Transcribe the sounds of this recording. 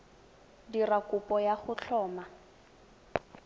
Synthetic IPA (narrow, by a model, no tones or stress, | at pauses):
dirakʊpɔjaχʊt͡ɬʰɔːma